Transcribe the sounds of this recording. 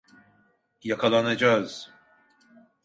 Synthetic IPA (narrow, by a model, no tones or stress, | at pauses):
jakʰalˠanad͡ʒaz̥